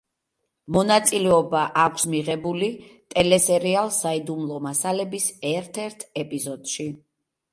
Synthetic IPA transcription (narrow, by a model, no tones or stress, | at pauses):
mɔnat̪sʼilɛɔbaʔakʷʰsmiʁɛbulit̪ʼɛlɛsɛɾialˠsaid̪umlˠɔmasalɛbisɛɾt̪ʰɛɾt̪ʰɛpʼizɔd̪̥ʃi